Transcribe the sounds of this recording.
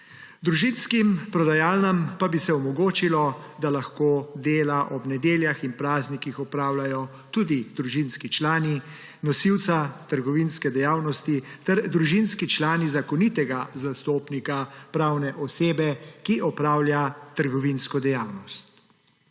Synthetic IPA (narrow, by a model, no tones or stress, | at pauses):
d̪ɾuʒinskimpɾɔd̪ajaːlnəmpabisɛɔmɔɡoːt͡ʃilɔd̪alaxkoːd̪eːlaʔɔbnɛd̪eːljaxinpɾaːznikixɔpɾaːwlajɔ | t̪uːd̪id̪ɾuʒinskit͡ʃlaːni | nɔsiwt̪sat̪əɾɡɔʋinskɛd̪ɛjaːwnɔst̪it̪ɛɾd̪ɾuʒinskit͡ʃlaːnizakɔnit̪ɛɡazast̪oːpnikapɾaːwnɛʔɔseːbɛkiʔɔpɾaːwljat̪əɾɡɔʋinskɔd̪ɛjaːwnɔst̪